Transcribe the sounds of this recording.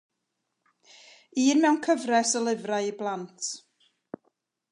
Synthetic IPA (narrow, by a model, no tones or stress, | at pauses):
iːnmɛwnkʰəvrɛsəlˠɪvrajiblˠantʰ